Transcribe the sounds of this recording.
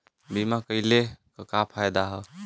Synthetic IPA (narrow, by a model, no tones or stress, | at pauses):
bimakəɪlekəkapʰajd̪aɦə